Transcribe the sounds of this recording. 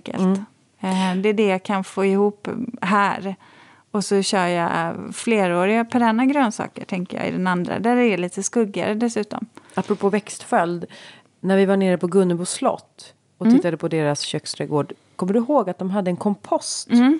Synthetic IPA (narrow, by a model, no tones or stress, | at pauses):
kə̰lt̪ | d̪ɛːɖɛjɑkʰanfoːɪhuːpːɦæːɾ | ɔsɔɕœːja̰fleːɾoːɾɪɡapʰɔɖɛnːaɡɾøːnsɑ̰ːkə̰ʈʰɛŋkə̰jɑ̰ːɪ̰d̪ɛnand̪ɾa̰d̪æɾɛɭiːt̪əskɵɡːa̰ɾəd̪ɛsʉ̟ːt̪ɔ̰mapːɾɔpʰoːvɛkst̪fœld̪ | næɾvɪvaɳeːɾəpʰɔɡɵnːəbuslɔ̰t̪ː | ɔt̪ɪt̪ːad̪əpʰɔd̪eːɾasɕøkst̪ʰɾɛɡoːɖ | kʰɔmːəɖɵɦoːɡat̪̚d̪ɔmɦad̪ːəɛnkʰɔmpʰɔst̪ː